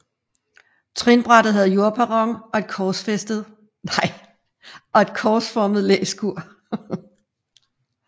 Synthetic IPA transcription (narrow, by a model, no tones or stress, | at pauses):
t͡sʰʁinb̥ʁɑ̈ɾ̥ð̩ˠɦæð̞̩ˠjo̝ɐ̰pʰæʁɒŋɒ̽e̝d̥kʰɒːsfesd̥ð̞̩ˠ | nɑɪ̰ | ɒ̽e̝d̥kʰɒːsfɒːməð̞̩ˠlḛːsɡ̥uɐ̰